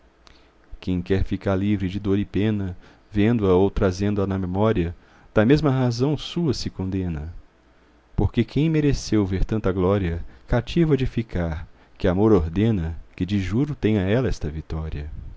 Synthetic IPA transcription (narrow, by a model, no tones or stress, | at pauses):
kẽj̃kɛɾfikaɾlivɾɪd͡ʒɪd̪oɾɪpẽnɐ | vẽnd̪ʊɐowt̪ɾazẽnd̪ʊɐnɐmemɔɾiɐ | d̪̥ɐmezmɐɦazɐ̃w̃suɐsɪkõnd̪ẽnɐ | poɾkekʰẽj̃meɾesewveɾt̪ɐ̃nt̪ɐɡlɔɾiɐkat͡ʃivɐd͡ʒɪfikaɾ | kɪamoɾoɾd̪ẽnɐkɪd͡ʒɪʒuɾʊt̪ẽj̃ɐɛlɐɛst̪ɐvit̪ɔɾiɐ